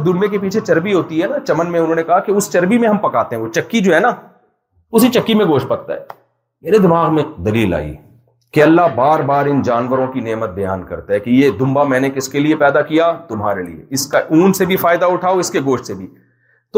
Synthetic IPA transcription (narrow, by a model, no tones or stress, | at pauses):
d̪ʊnjẽk̬ep̬iːt͡ʃʰet͡ʃɐɾbiɦoːt̪iɦɛːnat͡ʃɐmənmẽʊnɦõːnekɐɦakeʊst͡ʃɐɾbimẽɦɐmpɐkaːt̪ẽɦɛ̃ʋot͡ʃɐkːid͡ʒoːɦɛːna | ʊsit͡ʃɐkːimẽɡoːʃʈ̚pɐɾ̚t̪ːa̰ɦɛ̰ː | meːɾed̪ɪmaːɣmẽd̪ɐliːla̰ːḭ | keɐlːabaːɾbaːɾɪnd͡ʒaːnʋəɾõkineːmət̪̚bɐja̰ːnkɐ̰ɾt̪aɦɛkijed̪ʊ̃mbamɛ̃ːnekɪskeliepɛːd̪akijat̪ʊmɦaːɾelḭḛɪskaʔuːnsebʱifaːɪd̪aʊʈʰaːoɪskeɡoːʃʈsebʱi | t̪o